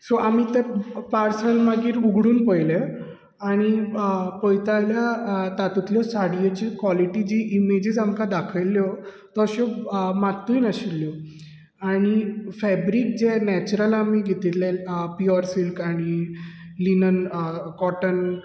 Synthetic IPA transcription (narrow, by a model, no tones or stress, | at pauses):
sɔʔamit̪ɛpaɾsəlmaɡiːɾuɡʱɽuːnpəjle | aɽ̃ipəjt̪ajljat̪at̪ut̪ljɔsaɽijet͡ɕikʋɔliʈid͡ʑiʔimed͡ʑid͡zamkad̪akʰəljɔ | t̪ɔɕɔmat̪ːujnaɕilːjɔ | aɽ̃ifɛbɾik̚d͡ʑɛnɛt͡ɕuɾəlamiːɡʱet̪ilelpiɔɾsilkaɽ̃i | linənkɔʈən